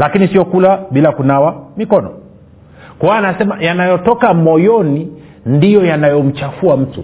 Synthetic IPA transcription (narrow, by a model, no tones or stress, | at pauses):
lakinisiɔkulaɓilakunawamikɔnɔ̰ | kɔwanasɛmajanajɔtɔkamɔjɔni | ndijɔjanajɔm̩t͡ʃafuam̩tṵ